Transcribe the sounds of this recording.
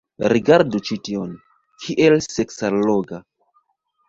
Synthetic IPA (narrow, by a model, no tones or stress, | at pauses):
ɾiɡaɾdut͡ʃition | kʰiʔelseksaloɡa